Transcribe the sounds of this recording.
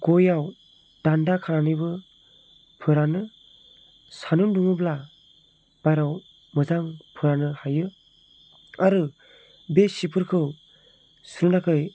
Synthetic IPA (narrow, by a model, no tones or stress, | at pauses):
ɡojaw | d̥andakʰaɾanɯjbɯ | pʰɯɾanɯ | sanunduŋɯbla | bajɾaw | mɯzaŋpʰɯɾanɯhajɯ | aɾɯ | besipʰɯɾkʰɯw | suɾɯnakʰɯj